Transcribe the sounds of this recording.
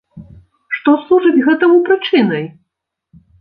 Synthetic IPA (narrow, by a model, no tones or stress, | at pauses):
ʂt̪ɔslˠuʐɨt͡sʲɣɛt̪ɐmupɾɨt͡ʂɨnɐj